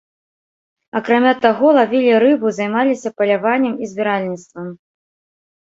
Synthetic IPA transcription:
ɐkɾamʲat̪aɣɔlˠavʲilʲiɾɨbɨzɐjmalʲisʲɐpɐlʲavanʲːɛmizʲbʲiɾalʲnʲit̪st̪vɐm

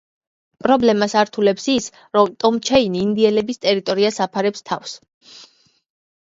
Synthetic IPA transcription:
pʼɾɔblɛmasaɾt̪ʰulɛpsis | ɾɔmt̪ʼɔmt͡ʃʰɛiniːnd̪iɛlɛbist̪ʼɛɾit̪ʼɔɾiasapʰaɾɛpst̪ʰafs

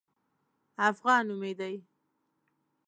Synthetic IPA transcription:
afɣɑnumed̪aj

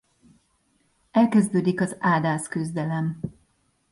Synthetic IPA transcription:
ɛlkɛzd̪øːd̪ikɒzaːd̪aːskyzd̪ɛlɛm

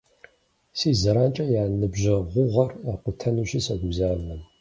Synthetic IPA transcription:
siːzɐɾaːnt͡ʃʼɐjaːnɨbʑɐʁʷʊʁɐraːqʷʊtʰɐnuɕɪsɐɡʷuzaːlɐm

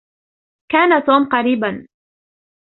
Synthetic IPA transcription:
kaːnat̪uːmqɑɾiːban

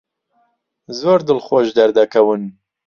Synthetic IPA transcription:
zoːɾd̪ɨlxoʒd̪ɐɾd̪ɐkʰɐwɨn

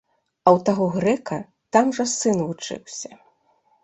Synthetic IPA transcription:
ɐwt̪aɣɔɣɾɛkɐ | t̪amʐɐsɨnvut͡ʂɨ̰wsʲɐ̥

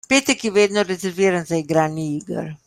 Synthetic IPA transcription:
pet̪ɛkjɛʋed̪noɾezeɾʋiɾanzaiɡɾaːniiɡə̰ɾ

